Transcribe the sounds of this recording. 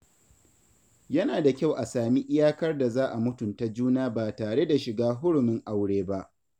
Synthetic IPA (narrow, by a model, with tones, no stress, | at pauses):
jɐ˦naː˨da˨kʲa˦˨wʔa˨saː˨mi˦ʔɪ˦jaː˦kɐ˦rda˨zaː˦ʔa˨mʊ˦tʊ˨nta˦d͡ʒuː˦naː˦baː˨taː˨ɽe˦da˨ʃɪ˨ɡaː˦ɦʊ˦ɽʊ˨mɪ˦ŋʔa˦wɽeː˦ba˦ʔ